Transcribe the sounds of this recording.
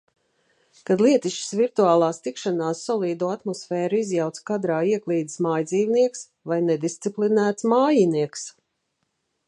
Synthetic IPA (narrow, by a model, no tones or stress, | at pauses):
kad̪lˠiɛt̪iʃt͡ʃi̥sviɾt̪uaːlˠaːst̪ikʃanaːsːɔlˠiːd̪uːat̪mɔsfɛːɾuizjawt̪skad̪ɾaːiɛklˠiːd̪i̥smaːjd̪ziːvniɛks | vajnɛd̪ist̪siplinæːt̪smaːjiniɛks